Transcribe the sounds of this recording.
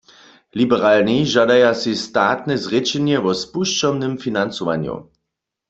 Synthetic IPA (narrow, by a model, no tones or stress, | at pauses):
libɛʁalniʒadajasist̪aːt̪nɛzʁɛt͡ʃɛnjɛʋɔspuʃt͡ʃɔmnɪmfinant͡sɔʋa̰njṵ